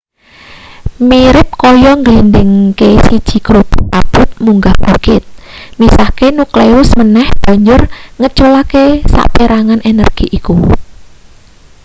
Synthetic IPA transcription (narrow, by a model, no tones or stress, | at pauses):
miɾɪp̚kɔjɔŋɡlindɪŋkesid̥ʒ̥i̤kɾuppab̥ʊt̪̚muŋɡab̥ukɪt̪̚misakenukleʊsmənɛhb̥ä̤ɲd͡ʒʊrŋət͡ʃolakesa̰ʔpeɾaŋanʔenə̰rɡ̥iʔiku